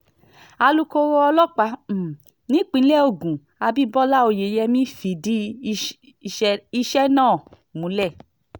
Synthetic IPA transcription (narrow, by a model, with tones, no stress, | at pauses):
a˧lu˧ko˧wɔ˦ɔ˧lɔ˦k͡pa˧˦˨ | nĩ˨˦k͡pĩ˨˧˦lɛ˦˨o˧˨ɡũ˨ | a˧bi˦bɔ˦la˦˨o˧˨je˨˦jɛ˧mĩ˦fi˨di˦ | i˧ʃɛ˦nãː˦˨ | mũ˨˦lɛ˦˨